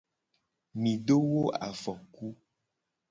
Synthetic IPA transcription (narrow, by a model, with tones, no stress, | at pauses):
mĩ˨ɖo˦wo˦a̰˨fɔ˨ku˦